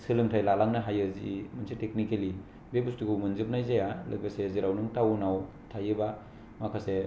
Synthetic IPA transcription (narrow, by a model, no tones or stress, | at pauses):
sɯlɯŋtʰajlalaŋnɯɦajɯzḭmɯnsetek̚nikeli | bebustiɡumɯnzɯp̚najzajalɯ̰baseziɾawnɯŋtawunaw | tʰajɯba | makʰase